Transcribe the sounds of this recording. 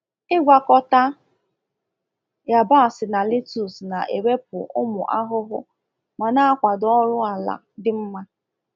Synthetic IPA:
ɪ˦ɡʷa˨kɔ˦ta˦ | ja˨ba˦˨sɪ˨na˨li˦tu˨sna˨ʔḛ˨we˦pʊ̰˨ʔʊ˦mʊ˨ʔa˦ɦʊ˦ɦʊ˦ | ma˨na˦a˦kʷa˨dɔ˦ɾʊ˦a˨la̰˨ | dɪ˦m̩˦ma˦

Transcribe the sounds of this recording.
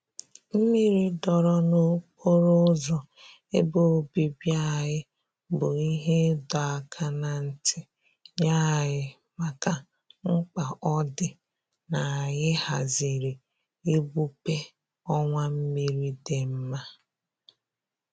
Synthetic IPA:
m̩˦mi˦ɾi˦dɔ˨ɾɔ˦no˦k͡pʰo˦ɾo˦zɔ˨ | e˦bo˦˨bi˨bja˦˨ɦɪ˦ | bʊ˨i˦ɦe˦dɔ˨a˨kʰa˦na˨n̩˦˨tʰɪ˨ | ɲa˦˨ɣɪ˦ | ma˨ka˨ | ŋ͡m̩˦k͡pa˨ʔɔ˦dɪ˨ | na˨ɣɪ˦ha˨zi˨ɾi˨ | e˦bu˦pe˦ | ɔ˦ŋʷa˦m̩˦mi˦ɾi˦de˨m̩˦ma˦

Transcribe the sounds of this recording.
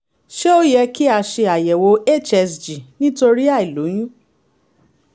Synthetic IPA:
ʃe˦o˦jɛ˧ki˦a˧ʃe˧a˨jɛ˨wo˧e˦˨t͡ʃɛ˧˨sd͡ʒi˨nĩ˦to˧ɾi˦a˦˨i˨lo˨˦j̃ĩ˦

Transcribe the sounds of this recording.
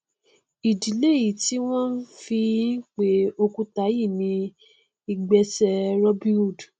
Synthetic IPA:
i˨di˨le˦˨ji˨ti˨˦w̃ɔ̃˦n̩˦fi˧˦k͡pe˨˦o˧ku˧ta˨˦ji˦˨nĩ˨˦ | i˧ɡ͡bɛ˧sɛ˧ɾɔ˦bĩ˦u˦˨d

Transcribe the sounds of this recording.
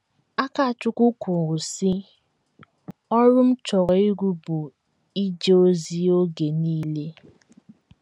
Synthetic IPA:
a˦ka˨a˨t͡ʃʊ˦kʷʊ˦kʊ˨ɾʊ˨si˦ | ɔ˦ɾʊ˦m̩˦t͡ʃɔ˨ɾɔ˨i˦ɡʷu˦bʊ˨ | i˦d͡ʒe˦o˦zi˦o˦ɡe˨niː˦le˦

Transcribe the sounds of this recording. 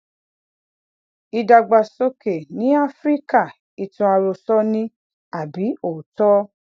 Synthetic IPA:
i˧da˧ɡ͡ba˧so˧ke˨nĩ˨˦a˦fɾi˦ka˦˨ | i˨tũ˧a˧ɾo˧sɔ˦nĩ˦ | a˨bi˨˦o˨tɔ˦

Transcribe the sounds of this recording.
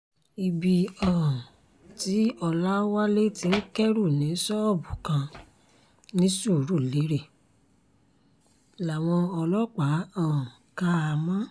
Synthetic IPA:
i˧bi˧ɔ̃˨ | ti˨˦ɔ˧la˦wa˦le˦ti˧˦n̩˦kɛ˦ɾu˦˨nĩ˨˦sɔ˦ɔ˦˨bu˨kã˧ | nĩ˦su˦˨˦ɾu˦˨le˨˦ɾe˦˨ | la˨w̃ɔ̃˧ɔ˧lɔ˦k͡pa˨˦ã˦˨ | ka˦a˧mã˦

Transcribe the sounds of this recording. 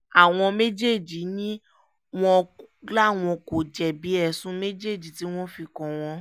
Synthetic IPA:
a˨w̃ɔ̃˧me˦d͡ʒe˦˨d͡ʒi˨˦nĩ˦ | w̃ɔ̃˦la˦˨w̃ɔ̃˧ko˨d͡ʒɛ˨bi˨˦ɛ˦˨sũ˧˦me˦d͡ʒe˦˨d͡ʒi˨ti˨˦w̃ɔ̃˦fi˧kɔ̃˧w̃ɔ̃˧

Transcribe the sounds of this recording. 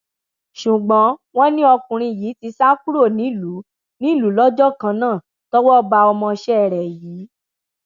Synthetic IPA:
ʃu˨ɡ͡bɔ̃˨˦w̃ɔ̃˦nĩ˦ɔ˧kũ˨ɾ̃ĩ˧˨ji˨˦ti˧sa˦ku˦ɾo˦˨nĩ˨˦lu˨˦ | nĩ˦˨lu˨˦lɔ˦d͡ʒɔ˦kã˧nãː˦˨ | tɔ˦wɔ˦ba˧ɔ˧mɔ̃˧ʃɛ˦˨ɾɛ˨jiː˨˦

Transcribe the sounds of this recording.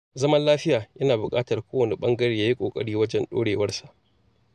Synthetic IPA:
zɐ˦mɐ˦nlaː˦ɸɪ˦jaː˨jʔɐ˦naː˨bʊ˨kʼaː˦tɐ˨rkʷoː˦wɐ˨ne˨ɓɐ˦ŋɡɐ˦ɽeː˨jaː˦ji˦kʷʼoː˨kʼɐ̰˦ɽiː˦wɐ˦d͡ʒɛ˦nɗo̰ː˦ɽeː˨wɐ˦rsa˨ʔ

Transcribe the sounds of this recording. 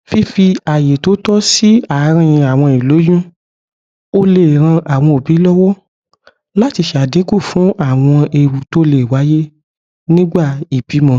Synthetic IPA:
fi˦fi˧a˨je˨to˨˦tɔ˦si˦a˨˦ɾ̃ĩ˧ĩ˧a˨w̃ɔ̃˧i˨lo˨˦jũ˦ | o˦le˦˨ɾ̃ã˧ʔa˨w̃ɔ̃˧o˨bi˨˦lɔ˦wɔ˦ | la˦ti˧ʃɛ˧˨a˨dĩ˨˦ku˦˨fũ˨˦a˦˨w̃ɔ̃˧e˧wu˨to˦le˦˨wa˨˦je˦ | nĩ˦ɡ͡ba˦˨i˨b̥i˨˦mɔ̃˧

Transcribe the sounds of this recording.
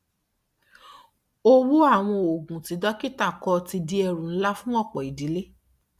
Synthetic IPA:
o˦˧wu˦a˦˨w̃ɔ̃˧o˨ɡũ˨ti˨˦dɔ˦ki˦ta˦˨kɔ˧ti˧di˧ɛ˧ɾũ˨n̩˦la˦fũ˦ɔ˦˨k͡pɔ˨i˨di˨˦le˦

